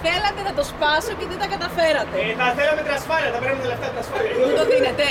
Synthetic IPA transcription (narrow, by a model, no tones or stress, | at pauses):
θelɐt̪e̞nɐt̪o̞spɐsoit̪it̪ɐkɐt̪ɐfeɾɐt̪e̞θɐθelɐmet̪inɐsfɐliɐðɐpeɾnɐmet̪ileft̪ɐt̪inɐsfɐliɐoðinet̪e